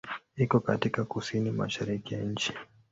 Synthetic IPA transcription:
ikɔkatikakusinima̰ʃaɾikijaɲ̩t͡ʃi̥

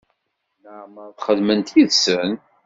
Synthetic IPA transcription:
nəʕməɾθχəðmənt̪iðsən

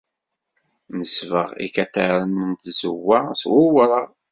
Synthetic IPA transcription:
nəsvəʁḭkæt̪ːəɾənənt̪zə̰wːæswʊwɾə

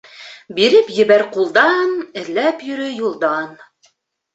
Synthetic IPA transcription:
biɾɘpjɘ̆βæɾqulˠd̪ɑnɘ̆ðlæpjɵ̆ɾɵjulˠd̪ɑn

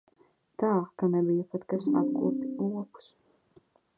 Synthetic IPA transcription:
t̪aːkanɛbijapat̪kasa̰p̚kṵːpiuɔku̥s

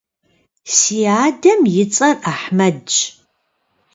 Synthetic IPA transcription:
siːaːdɐmjɪt͡sʼɐraːħmɐdt͡ʃ

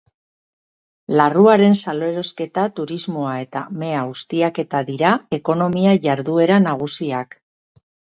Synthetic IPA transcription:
laruaɾe̞nsaloe̞ɾo̞ske̞t̪at̪uɾizmoae̞t̪a̰me̞aɣust̪iake̞t̪aðiɾae̞ko̞no̞miaʝaɾðue̞ɾanaɣ̞usiak

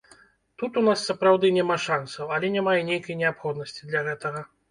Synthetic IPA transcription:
t̪ut̪unasːɐpɾawd̪ɨnʲɛmaʂansɐwɐlʲɛnʲɛmajɛnʲejkɐjnʲɛapxɔd̪nɐsʲt͡sʲid̪lʲaɣɛt̪ɐɣɐ

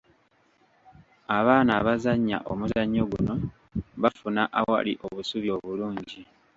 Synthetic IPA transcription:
aβaːnaβazaɲːa̰ʔo̞muzaɲːo̞ɡuno̞ | βafunaʔawa̰lḭʔo̞βusuβjo̞ːβuluːɲɟi

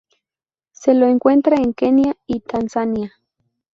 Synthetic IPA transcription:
seloeŋkwe̞nt̪ɾaeŋkenjait̪ansania

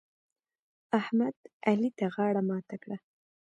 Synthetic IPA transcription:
ahmad̪alit̪aɣɑɽamɑt̪akɽa

